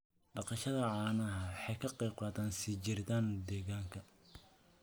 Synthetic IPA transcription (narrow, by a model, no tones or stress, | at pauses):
ɖɑqɑʃɐðɐʕɑːnɐɦɐwħɑjkʰɐqɛːqɑːt̪aːnsit͡ʃɪrt̪aːnd̪ɛːɣaːŋkʰɐ